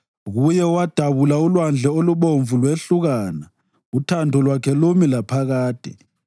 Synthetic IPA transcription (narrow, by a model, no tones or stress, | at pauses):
ɣujɛwad̥ʱaβulaulwand͡ɮʱɛoluɓoɱvulweɬuɣaːna | utʰandʱɔlwakʰɛlomilapʰaɣaːd̥ʱɛ̰